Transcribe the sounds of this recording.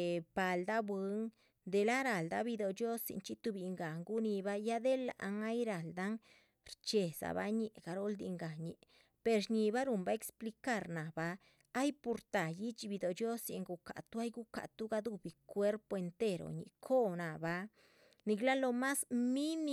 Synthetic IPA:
pa˨ld̪a˦bwi˧˦ŋ | d̪e˨la˦ɾa˨ld̪a˦bi˧d̪o˨d͡ʒjo˦sḭ˨nt͡ʃi˦t̪u˧bi˨ŋɡa˨ŋɡu˦ni˧ba˦ja˦d̪e˦la̰˨ʔa˧˦ŋa˦jɾa˨ld̪a˦ŋ | ɾt͡ʃe˨sa̰˨ba̰˦ɲi˨ʔɡ̥a˧ɾo˦ld̪ḭ˧ŋɡa˨ɲi˨ | pe˧ɾɲi˧ba˦ɾu˨mba˧e˧kspli˧ka˦ɾna˨baː˧˦ | jpu˧ɾt̪a˨ji˦t͡ʃbi˧d̪o˨d͡ʒjo˦sjḛ˧ŋɡu˧ka̰˨t̪u˦a˦jɡu˦ka̰˨t̪u˦ɡa˧d̪u˦bi˨kwʷe˦ɾpo˧e˧nt̪e˦ɾo̰˨ɲḭ˨kʰo˦na˨ba˧ | ni˧ɡla˦lo˧ma˦smi˦ni˦

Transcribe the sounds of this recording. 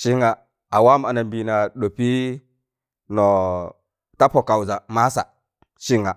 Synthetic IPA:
ʃi˦ŋa˨ | a˨wa˦ma˨na˨mbi˨na˨ɗo˨pi˦ | no˨ | ta˦po˨ka˨wza˨ma˦sa̰˨ | ʃi˦ŋa˨

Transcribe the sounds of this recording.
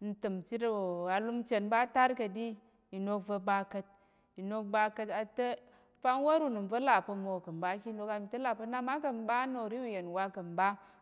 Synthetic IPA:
n̩˨tɨ˨mt͡ʃi˦ɾa˨lu˦mt͡ʃe˨nba˦ta˦ɾkɐ˨di˦ | i˨no˧kvə˧ba˧kə˧t̚ | i˨no˧k̚ba˧kə˧ta˨tə˦ | pa˦nwo˦ɾu˦˨nu˨n˨və˦la˨pə˧mo˨kɐ˨mba˦ki˦lo˧ka˧˨mi˨tɐ˦la˨pə˧na˦ma˦kə˨mba˦no˨ɾi˦wu˨je˨nwa˦kɐ˨mba˦

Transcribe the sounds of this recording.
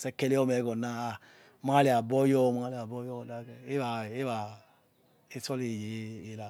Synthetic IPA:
sɛ˦kɛ˧le˦ɔ˦mɛ˨˦ɡɔ˨na˦a˨ | ma˦a˦le˨a˨bɔ˦jɔ˦˨ma˦a˦le˨a˨bɔ˦jɔ˦˨da˦˨ɡɛ˨e˦βa˨e˦βa˨ | e˦sɔ˦le˨jeː˨˦˨la˨

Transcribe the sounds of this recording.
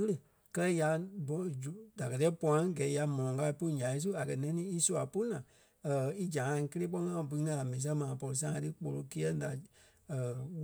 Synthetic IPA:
ə˦lə˨ | kɜ˦lɛ˦ja˧˦bd͡ʒu˨da˨kɜ˨tɛ˦pɔ̃˧ã˦ŋ˦ɡɛ˨˦ja˧mɔ̃˨ɔ̃˨ka˧i˧po˦˧˨ɲã˨ĩ˦s̬u˦a˨kɜ˨nɛ̃˧nĩ˦i˦su˧˦a˨po˦nãː˨ | i˦d͡ʒã˨ŋã˧˨˧kə˧leː˦k͡pɔ˧˦ŋã˦˨bɨ̃˧˦ŋã˧˨a˨mɛ̃˨nĩ˨s̬ɛ̃˦mãː˨˦pɔ˧lo˧s̬ã˧˦ã˧tɨ˦k͡po˨lo˧ke˦ɛ˦da˨

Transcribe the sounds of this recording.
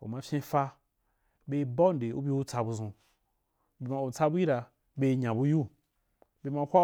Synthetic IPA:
ṵ˨mã˧fʲẽ˧fa˧ | be˧˦ba˦n˨de˨ṵ˦bʲi˧u˦t͡sa˧bu˧zũ˧ | be˧ma˧u˨t͡sa˧bu˦ji˦ɾa˧ | be˧ɲã˨bu˧ju˦ | be˧ma˧˦kʷa˦

